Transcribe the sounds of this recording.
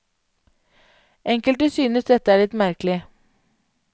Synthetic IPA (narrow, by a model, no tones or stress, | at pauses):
ʔɛŋkəlʈ̪əsyːnəsd̪ɛt̪əæːɭɪt̪mæɾklɪ